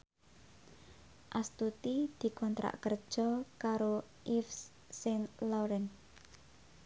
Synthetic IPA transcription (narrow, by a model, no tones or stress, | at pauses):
ʔast̪ut̪id̪̥i̤kɔnt̪ɾa̰ʔkərd̥ʒ̥ɔ̤kaɾo | ʔifs | senlɔɾɛn